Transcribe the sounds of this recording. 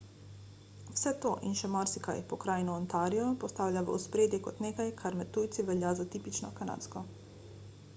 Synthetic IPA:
wsɛt̪o̰ːʔinʃɛmaɾsika̰jpɔkɾaːjnɔːnt̪aːɾijɔpost̪aːwlʲaʋə̰uspɾeːd̪jɛkɔt̪neːkajkʰaɾmɛt̪ujt̪siʋɛljazat̪ipit͡ʃnɔkana̰t̪skɔ

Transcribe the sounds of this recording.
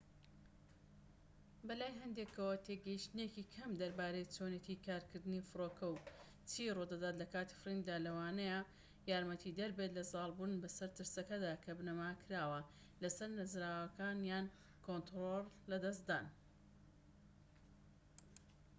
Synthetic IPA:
bɐlaːjɦɐnd̪ekʰɐwɐt̪ʰeɡɐjiʃt̪ɨnekikʰɐmd̪ɐɾbaːɾejt͡sonet̪ikʰaːɾkɨɾd̪ɨnifɨɾoːkʰɐw | t͡siːrod̪ɐd̪aːt̪lɐkaːt̪i̥frind̪aːlɐwaːnɐja | jaːɾmɐt̪ʰid̪ɐɾbeːt̪lɐzɑːlˠbunbɐsɐɾt̪ɨɾsɐkɐd̪aːkʰɐbnɐmakʰɾaːwɐ | lɐsɐɾnɨzɾaːwɐkaːnjaːn | kʰont̪ɾollɐd̪ɐs̬t̪d̪aːn

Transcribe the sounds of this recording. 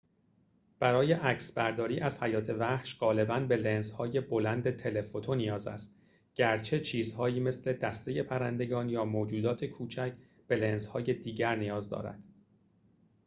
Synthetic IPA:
b̥æɾɒːje̞ʔæcʰsbæɾd̪ɒːɾiːʔæz̥hæjɒːt̪ʰe̞væhʃɢɒːle̞bænbe̞lenzhɒːje̞bo̞lænd̪e̞t̪ʰe̞le̞fot̪ʰonijɒːzæ̰st̪ | ɟ̥æɾt͡ʃʰe̞t͡ʃʰiːzhɒːjiːme̞sle̞d̪æst̪e̞je̞pʰæɾænd̪e̞ɡɒːnjɒːmoːd͡ʒuːd̪ɒːt̪ʰe̞kʰuːt͡ʃʰæcʰ | b̥e̞lenzhɒːje̞d̪iːɟæɾnijɒːzd̪ɒ̰ːɾæ̰d̪̥

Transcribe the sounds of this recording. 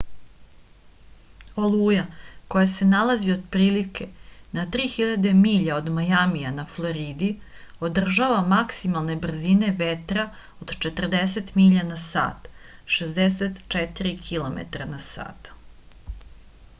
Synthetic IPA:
oluːjako̞jase̞nalazio̞d̪pɾiːlikʰe̞nat̪ɾiːxiʎad̪e̞miːʎaod̪majamijanaflˠo̞ɾid̪i | o̞d̪r̩ʒaʋamaksimalˠne̞br̩zine̞ʋet̪ɾa | od̪t͡ʃet̪r̩d̪eset̪miʎanasa̰ːt̪ʃezd̪eset̪t͡ʃɛt̪iɾikʰilo̞mḛt̪aɾanasa̰ːt̪

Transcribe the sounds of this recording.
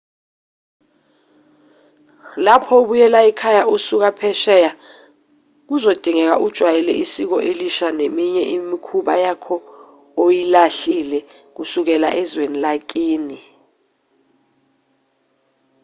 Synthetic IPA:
lapʰɔoɓujɛlaɛkʰajausuk̬apʰɛʃɛja | k̬uzod̥ʱiŋɛk̬aʔud̥ʒ̥ʱwajɛlɛ̰ʔisik̬ɔʔeliʃanemiɲɛʔimikʰuɓa̰jakʰɔ | ojilaɬilɛ | k̬usuk̬ɛla̰ʔɛzwenilak̬ʼiːni

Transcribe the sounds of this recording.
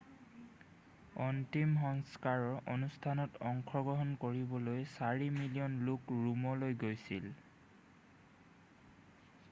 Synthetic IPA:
ɔntimɦɔŋskaɹɔɹʔonustʰanɔtɔŋkʰɔɡɔɦɔnkoɹibɔlojsaɹimilijɔnlukɹumɔlojɡojsil

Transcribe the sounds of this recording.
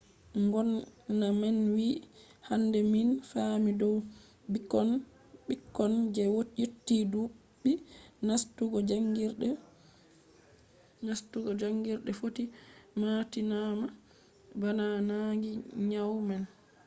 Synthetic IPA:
ŋɡɔnːamɛnwihandɛminfamidɔw | bikːɔn | ɓikːɔnd͡ʒɛwootːiduɓːinastuɡɔd͡ʒaŋɡiɾɗɛ | nastuɡɔd͡ʒaŋɡiɾɗɛfotimatinama | bananaŋɡiɲawmɛn

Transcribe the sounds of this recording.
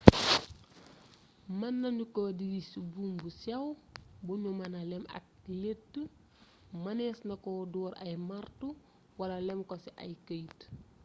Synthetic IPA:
mɐnːɐnukɔdiɡisibumbusɛwbuɲumɐnɐlɛmɐ̰k̚letːə | mɐnɛːsnɐkɔdɔːɾɐ̰jmartu | wɐlɐlɛmkɔsiʔɐ̰jkəjt

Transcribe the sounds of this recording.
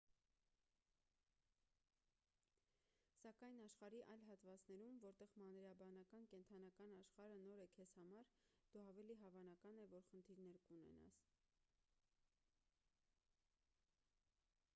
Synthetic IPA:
sɑkɑjnɑʃχɑɾiʔɑjlɦɑt̪vɑt͡snɛɾumvɔɾt̪ɛʁmɑnɾɑbɑnɑkɑnkɛnt̪ʰɑnɑkɑnɑʃχɑɾənɔɾɛkʰɛz̥hɑmɑɾd̪̥uɑvɛliɦɑvɑnɑkɑnɛvɔɾχənt̪ʰiɾnɛɾkunɛ̰nɑ̰s

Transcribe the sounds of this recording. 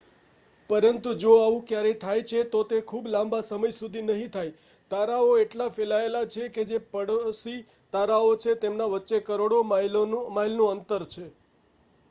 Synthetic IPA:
pəɾənt̪ud͡ʒoaʋũkjaɾet̪ʰajt͡ʃʰet̪ot̪ekʰublãmbasəməjsud̪ʱinəɦĩt̪ʰaj | t̪aɾaoeʈlafelaelat͡ʃʰeked͡ʒepəɽsi | t̪aɾaot͡ʃʰet̪emnaʋətːʃekəɾoɽomajlomailnũənt̪əɾt͡ʃʰe

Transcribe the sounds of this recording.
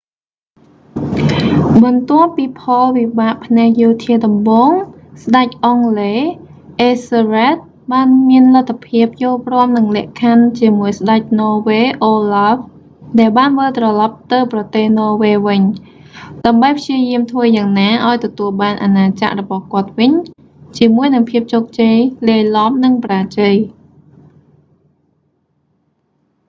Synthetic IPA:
ɓɑnt̪ŏəpːiːpʰɑlʋiɓaːʔpʰnɛək̚joːt̪ʰiəɗɑmɓoːŋ | sɗac̚ʔɑŋleː | ʔeːsrɛt̪̚ | ɓaːnmiənlat̪ʰːapʰiəp̚joːlprŏəmnɨŋlɛ̆əʔkʰant͡ɕiəmuəjsɗac̚nɔːʋeːʔoːlaf | ɗaɛlɓaːnʋəlt̪rɑlɑp̚t̪ɨwprɑt̪eːhnɔːʋeːʋɨɲ | ɗaəmɓəjpʰjiəjiəmt̪ʰʋəːjaːŋnaːʔaɔjt̪ɔt̪uəlɓaːnʔanaːt͡ɕa̰ʔrɔɓɑhkŏət̪̚ʋɨɲ | t͡ɕiəmuəjnɨŋpʰiəp̚t͡ɕoːk̚t͡ɕejleːlɑp̚nɨŋpraːt͡ɕəj

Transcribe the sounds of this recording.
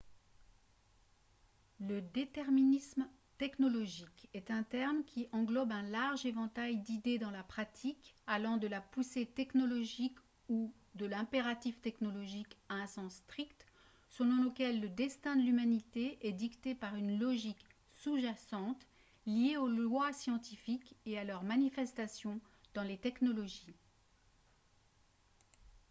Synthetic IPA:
ləd̪et̪ɛʁminism | t̪ɛknɔlɔʒikɛt̪ɛ̃t̪ɛʁmkʲʰiʔɑ̃ɡlɔbɛ̃laʁʒevɑ̃t̪ajd̪id̪ed̪ɑ̃lapχat̪ʰikalɑ̃d̪əlapuset̪ɛknɔlɔʒik | u | d̪əlɛ̃peʁat̪ift̪ɛknɔlɔʒikaɛ̃sɑ̃sːt̪χikt̪ | səlɔ̃ləkʲɛlːəd̪ɛst̪ɛ̃d̪əlymanit̪eʔɛd̪ikt̪epaʁynlɔʒik | suʒasɑ̃t̪ | lijeolwasjɑ̃t̪ifikealœʁmanifɛst̪asjɔ̃ | d̪̥ɑ̃let̪ɛknɔlɔʒi

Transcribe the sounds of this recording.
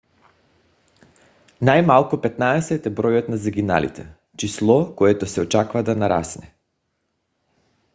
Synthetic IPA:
najmalˠkupɛt̪naɛsɛt̪ɛbɾɔjɔt̪nazɛɡʲina̰lḭt̪ʰɛ | t͡ʃislˠɔkɔɛt̪ɔsɛɔt͡ʃakvad̪anaɾa̰snɛ

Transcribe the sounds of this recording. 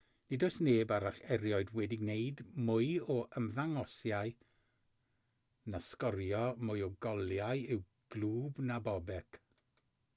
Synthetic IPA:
nidɔɨsneːbaɾaɬɛɾjɔɨdwɛdɪɡneɨdmʊɨɔʔəmðaŋɔsjaɨ | naskɔɾjɔmʊɨɔɡɔlˠjajɪw | ɡ̥lˠuːbnabɔbɛk

